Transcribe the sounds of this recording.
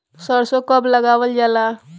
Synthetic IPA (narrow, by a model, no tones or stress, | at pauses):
səɾsokəbləɡawəld͡ʒala